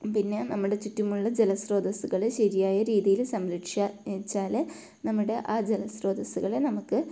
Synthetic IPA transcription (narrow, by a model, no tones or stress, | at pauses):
pinːe̞nɐmːuɽe̞t͡ɕutːumuɭːɐd͡ʑelɐsro̞ːd̪ɐsuɣɐɭeɕɐɾijaːjɐɾiːðijilsɐmɾɐʈʂat͡ɕːaːl | nɐmːuɽe̞ʔaːd͡ʑelɐsro̞ːd̪ɐsuɣɐɭenɐmukːɨ